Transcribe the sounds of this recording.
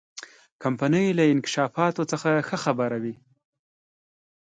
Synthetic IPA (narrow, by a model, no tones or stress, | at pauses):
kampanəjlaɪnkɪ̥ʃɑfɑt̪ot͡səxaxəxabaɾawi